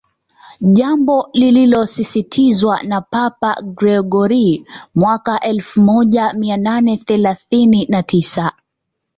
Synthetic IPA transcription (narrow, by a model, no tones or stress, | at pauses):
ʄambɔlililɔsisitʰizwanapapa̰ɡɾɛɡɔɾimwakaʔɛlfumɔʄamiananɛθɛlaθininatʰisa